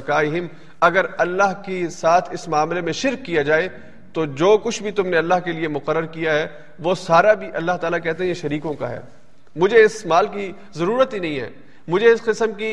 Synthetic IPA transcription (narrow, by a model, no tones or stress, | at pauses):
kaːɪɦɪm | ɐɡəɾɐlːaɦkesaːt̪ʰɪsmaːmlemẽʃɪɾkːijad͡ʒaːe | t̪od͡ʒoːkʊt͡ʃʰbʱit̪ʊmneɐlːaɦkeliemʊqəɾːəɾkijaɦɛ | ʋosaːɾabʱiʔɐlːaɦt̪aːlakɛɦt̪̬eɦɛ̃eʃɐɾiːkõka̰ɦɛ̰ː | mʊd͡ʒʱeɪsmaːlk̬i | zɐɾuːɾət̪binɐ̃ɦĩɦɛ̰ː | mʊd͡ʒʱeɪsqɪsəmki